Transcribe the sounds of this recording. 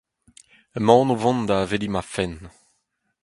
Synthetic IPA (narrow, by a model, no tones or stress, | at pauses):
əmɑ̃ːnovɔ̃nd̪avelimafɛn